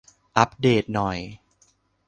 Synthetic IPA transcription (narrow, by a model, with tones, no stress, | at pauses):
ʔa˦˥p̚deː˨˩t̪̚nɔ˨˩j